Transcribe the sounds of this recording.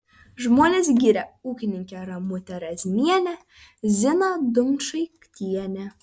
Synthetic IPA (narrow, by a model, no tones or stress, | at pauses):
ʒmoːnʲesɡʲiːɾʲɛuːkʲɪnʲɪŋʲkʲɛɾɐmʊt̪ʲɛɾɛzʲmʲiɛnʲɛ | zʲɪnɐd̪ʊmʃɐɪkt̪ʲiɛnʲɛ